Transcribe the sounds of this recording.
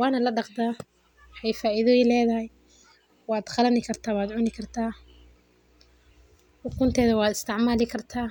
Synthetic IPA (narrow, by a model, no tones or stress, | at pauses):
wɑːnɐlɐɖɑqd̪aː | wɑħɑjfaːʔiðɔːjɪlɛːðɐhɛj | wɑːd̪χɑlɐnɪkʰɐrt̪ʰaːwaːd̪ʕʊnɪkʰɐrt̪ʰaː | ħʊkʰʊnt̪ʰɛːðɐwɑːd̪ɪst̪ʰɪʕmaːlɪkʰɐrt̪ʰaː